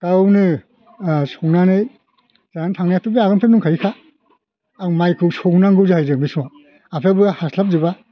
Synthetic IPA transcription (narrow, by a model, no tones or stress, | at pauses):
kawnɯ | sownanɯj | zaantʰaŋnaatubeaɡɔnpʰep̚nuŋkʰaɾikʰa | awmajkʰɯsɔwnaŋɡɯzɯhajzɯmiswa | apʰebɯhaslap̚zɯba